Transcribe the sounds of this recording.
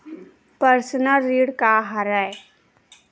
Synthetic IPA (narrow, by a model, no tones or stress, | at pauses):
pəɾsənəlːiːɽkaɦaɾae